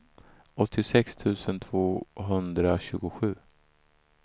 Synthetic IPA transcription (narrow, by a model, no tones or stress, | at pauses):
ɔt̪ʰːɪsɛkst̪ʰʉ̟ːsənt̪ʰv̥oːɦɵnd̪ɾaɕʉ̟ːɡʊɧʉ̟ː